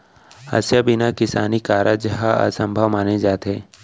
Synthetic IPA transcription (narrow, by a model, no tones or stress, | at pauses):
hɐ̰sjabɪnakɪsaːnikaːɾad͡ʒɐɦaa̰sə̃mbʱəʋmaːned͡ʒaːt̪ɦeː